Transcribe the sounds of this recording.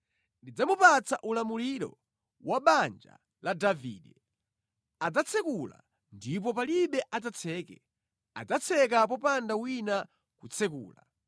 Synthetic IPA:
ndid͡zamupat͡saʔulamuliɾɔ̰ | waɓand͡ʒa̰ | ladavḭːɗɛ | ad͡zat͡sʰɛkula̰ | ndip̬ɔpaliɓɛʔad͡zat͡sʰɛːkɛ̰ | a̰d͡zat͡sʰɛk̬ap̬ɔpandawina | kut͡sʰɛkṵːla̰

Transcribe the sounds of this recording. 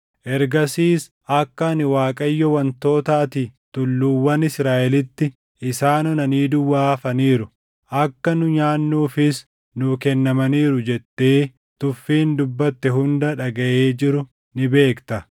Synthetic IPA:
ʔɛɾɡɐsiːs | ʔɐkːɐnɪwaːkʼɐjːɔwɐnt̪o̞ːt̪aːt̪it̪ʊlːuːwːɐnɪsɾaːʔɛlɪt̪ːɪ | ɪsaːnɔnɐniːd̪ʊwːaːfɐniːɾʊ | ʔɐkːɐnʊɲaːnːuːfɪs | nʊkɛnːɐmɐniːɾʊd͡ʒɛt̪ːe̞ː | t̪ʊfːiːnd̪ʊbːɐt̪ːɛɦʊnd̪ɐᶑɐɡɐʔe̞ːd͡ʒɪɾʊ | nɪbe̞ːkt̪ɐ

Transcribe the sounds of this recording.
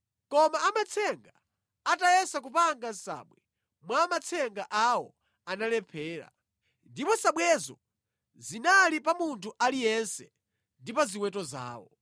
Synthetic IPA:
kɔmaːmat͡sʰɛŋɡaː | tajɛsak̬upaŋɡansa̰ːɓwɛ | mwaːmat͡sʰɛŋɡaʔawɔ | analɛpʰɛːɾa̰ | ndipɔsaɓwɛzɔ | zinalipamuntʰuʔalijɛnsɛ | ndipaziwɛtɔza̰ːwɔ̰

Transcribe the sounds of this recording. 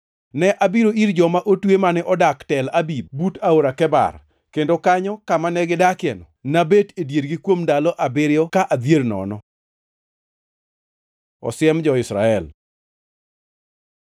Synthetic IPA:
nɛʔabiɾoiɾd͡ʒɔmaʔotwemanɛʔɔdaktɛlabib̚butaoɾakɛba̰r | kendokaɲɔkamanɛɡɪdakɪɛnɔ | nabetedjeɾɡɪkwomdalɔʔabɪɾjɔkaʔad̪jernɔ̰nɔ | ɔ̰sɪɛmd͡ʒɔɪsɾa̰ɛl

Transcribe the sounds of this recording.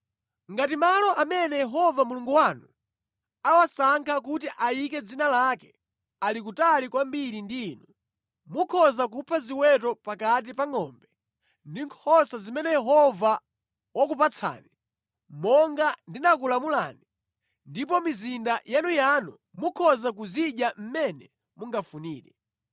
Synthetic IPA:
ŋɡatimalɔʔamɛnɛjɛɦɔvamuluŋɡuwanu | awasaŋkʰak̬utiʔajikɛd͡zinalakɛ | alik̬utalikwambiɾindiːnu | mukʰɔzakupʰaziwɛtɔpakat̬ipaŋɔːmbɛ | ndiŋkʰɔsazimɛnɛjɛɦɔva | wakupat͡sʰa̰ːni | mɔŋɡandinakulamula̰ːni | ndip̬ɔmizindajanujanṵ | mukʰɔzak̬uziɗjam̩mɛnɛ | muŋɡafuniːɾɛ

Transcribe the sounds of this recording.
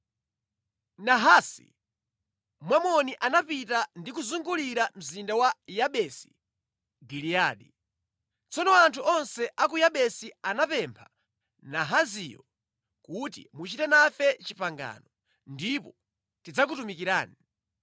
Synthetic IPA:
naɦasḭ | mwamɔniʔanapitandikuzuŋɡuliɾam̩zindawajaɓɛsi̥ | ɡilijaːɗi | t͡sɔnɔantʰuɔnsɛʔakujaɓɛsianapɛmpʰa | naɦazijɔ̰ | kutḭmut͡ʃitɛnafɛt͡ʃipaŋɡa̰ːnɔ | ndipɔ | tid͡zak̬utumikiɾa̰ːni

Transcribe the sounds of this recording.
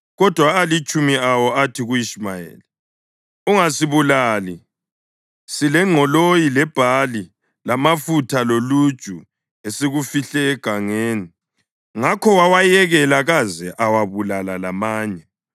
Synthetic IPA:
ɣɔd̥ʱwaːlit͡ʃʼumiawɔatʰiɣuiʃmajḛːli | uŋasiβulaːli | silɛŋ͡ǁʱɔlojilɛb̥ʱali | lamafutʰalolud̥ʒ̥ʼʱu | eseɣufiɬɛːɡ̥ʱaŋeːni | ŋakʰɔwawajɛɣɛlaɣazɛʔawaβulalalamaːɲɛ

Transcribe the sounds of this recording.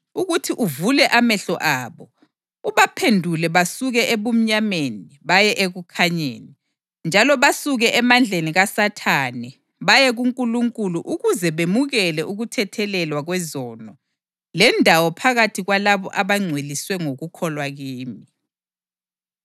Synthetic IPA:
uɣutʰiʔuvulɛʔamɛɬɔʔaːβɔ | uβapʰendʱulɛβasuɣɛʔeβum̩ɲameni | βajɛʔeɣukʰaɲḛːni | nd͡ʒʱalɔβasuɣɛʔɛmand͡ɮʱeniɣasatʰanɛ | βajɛɣuŋkʼuluŋkʼuluʔuɣuzɛβemuɣɛlɛʔuɣutʰɛtʰɛlɛlwaɣwɛzɔːnɔ | lɛndʱawɔpʰaɣatʰiɣwalaβɔ̰ʔaβaŋ͡ǀʱweliswɛŋoɣukʰɔlwaɣiːmi

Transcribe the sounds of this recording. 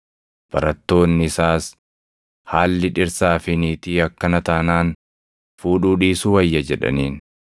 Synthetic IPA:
b̥ɐɾɐt̪ːo̞ːnːɪɪsaːs | haːlːɪᶑɪɾsaːfɪniːt̪iːɐkːɐnɐt̪ɐnaːn | fuːᶑuːᶑiːsuwɐjːɐd͡ʒɛᶑɐ̰niːn

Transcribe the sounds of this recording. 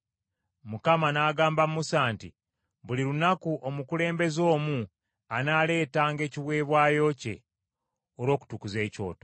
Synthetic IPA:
mukamanaːɡaːmbammusaːnti | βuliɾunakuʔomukule̞ːmbe̞zo̞ːmu | anaːle̞ːtaːŋɡe̞ːciβwe̞ːβwaːjo̞ce̞̰ | oɾo̞ːku̥tukuze̞ːco̞̰ːto

